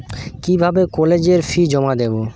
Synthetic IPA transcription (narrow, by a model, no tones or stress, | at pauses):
kibʱabekɔled͡ʑeɾfʰid͡ʑɔmad̪ebo